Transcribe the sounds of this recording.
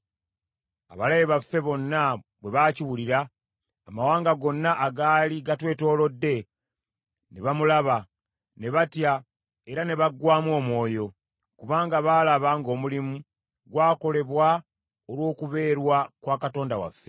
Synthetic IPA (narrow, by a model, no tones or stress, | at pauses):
a̰βalajeβafːe̞βo̞nːaβwe̞βaːciwuliɾaː | mawaːŋɡaɡo̞nːaʔːɡaːliɡatwe̞ːto̞ːlo̞dːe̞ | neβamulaβa | ne̞βatja | e̞ɾane̞βaɡwaːmwo̞ːmwo̞ːjo̞ | kuβaːŋɡaβaːlaβaːŋɡo̞ːmulimu | ɡwaːko̞le̞βwa | olwo̞ːkuβe̞ːɾwakwaːkato̞ːndawa̰fːe̞